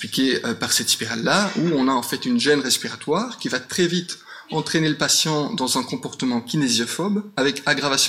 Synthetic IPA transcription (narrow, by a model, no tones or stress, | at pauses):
plikʲeøpaʁsɛt̪i̥peʁalːauɔ̃naɑ̃fɛt̪ynʒɛnʁɛspiʁat̪waːʁkʲivat̪χɛvit̪ | ɑ̃t̪χeneləpasjɑ̃d̪ɑ̃zɛ̃kɔ̃pɔʁt̪əmɑ̃kʲinezjɔfɔbavɛkaɡʁavasjɔ̃